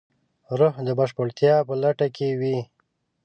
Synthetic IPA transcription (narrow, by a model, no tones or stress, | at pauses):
ɾʊhd̪əbaʃpəɽt̪jɑːpəlaʈakewi